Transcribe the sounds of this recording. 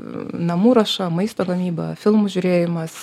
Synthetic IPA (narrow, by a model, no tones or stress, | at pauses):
nɐmuːɾɐʃɐmɐɪst̪oːɡɐmʲiːbɐ̰fʲɪlˠmuʒʲʊɾʲeːjɪmɐs